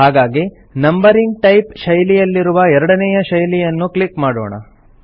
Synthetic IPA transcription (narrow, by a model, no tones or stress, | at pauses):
ɦaːɡaːɡi | nɐmbɐɾiŋɡ̚ʈɐjpʃɐjlijɐlːiɾuʋɐɛɾɐɽɐnɛjɐʃɐjlijɐnːuklikmaːɽo̰ːɳɐ̰